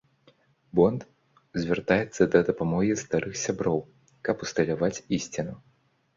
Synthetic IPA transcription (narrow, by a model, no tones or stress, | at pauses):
bɔnt̪ | zʲvʲɛrt̪ajɛt̪sːɐd̪ɐd̪ɐpamɔɣʲist̪aɾɨxsʲabɾɔw | kɐpust̪ɐlʲavat͡sʲisʲt͡sʲinu